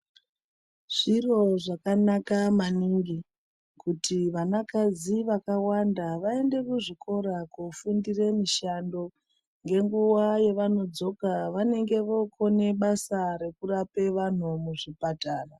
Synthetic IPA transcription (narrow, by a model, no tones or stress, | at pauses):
ʐ̥iro̞ʐakanakamaniŋɡi | kutʰiʋanakaziʋakawandaʋae̞nde̞kuʐikʰo̞ɾakufundire̞miʃando̞ | ŋɡe̞ŋɡuwaje̞ʋano̞d͡zo̞kaʋane̞ŋɡe̞ʋoko̞ne̞ɓasaɾe̞kurape̞ʋan̤umuʐipataːra